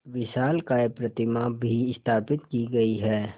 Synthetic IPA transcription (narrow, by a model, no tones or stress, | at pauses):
ʋɪʃaːlkaːepɾɐt̪ɪmabʱiɪst̪ʰaːpɪt̪kiɡɐiɦɛː